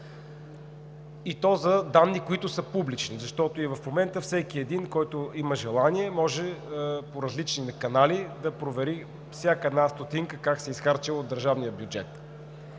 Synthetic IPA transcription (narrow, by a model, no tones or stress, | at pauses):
it̪ɔzɐd̪anːikoit̪ʊsəpublit͡ʃnizɐʃt̪ɔt̪oivɐfmomɛnt̪əfsɛkiɛd̪inkɔjt̪ʊiməʒɛlˠaniɛmɔʒɛpoɾɐzlit͡ʃninɐkɐnalid̪ɐpɾovɛɾi | fsʲjakəɛd̪nast̪ot̪iŋkəkaksɛisxaɾt͡ʃɛlˠod̪ːəɾʒavnijəbʲjud͡ʒɛ̰t̪